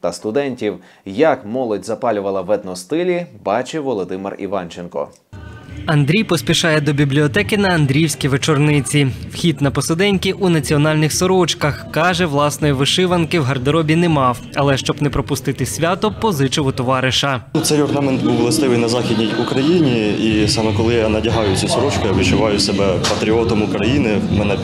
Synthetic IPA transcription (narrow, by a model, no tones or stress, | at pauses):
t̪ɐst̪ʊd̪ɛnʲtʲiw | jɐkmɔlˠɔdʲzɐpɑlʲʊʋɐlˠɐʋɛd̪nɔst̪ɪlʲibɑt͡ʃeʋɔlˠɔd̪ɪmɪ̰rḭʋɑ̰nt͡ʃenkɔ̰ | ɐnd̪ɾʲijpɔsʲpʲiʃɑjɛd̪ɔbʲiblʲiɔt̪ɛkɪnɐɐnd̪ɾʲiwsʲkʲijʋet͡ʃɔrnɪt͡sʲiwxʲid̪nɐpɔsɪd̪ɛnʲkʲiʔunɐt͡sʲiɔnɑlʲnɪxsɔɾɔt͡ʃkɐxkɑʒɛʋlˠɑsnɔjiʋɪʃɪʋɐnkɪwɦɐrd̪ɐɾɔbʲinɛmɑw | ɐlˠɛʃt͡ʃɔbnɛpɾɔpʊst̪ɪt̪ɪsʲʋʲat̪ɔpɔzɪt͡ʃɔɦʊt̪ɔʋɑɾɪʃɐt̪sɛjɔrnamɛnt̪buwlˠɐst̪ɪʋɪjnɐzɑxʲid̪ʲnʲijukɾɐjinʲiisɑmɛkɔlˠɪjanɐdʲɐɦɑjʊsʲɐsɔɾɔt͡ʃkɪjaʋɪt͡ʃʊʋɑjʊsɛbɛpɐt̪ɾʲiɔt̪ɔmʊkɾɐjinɪ | mɛnɛ